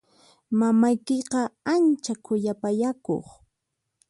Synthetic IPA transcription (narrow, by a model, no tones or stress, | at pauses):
mamajkɪqɑant͡ʃakʰʊʎapajako̰χ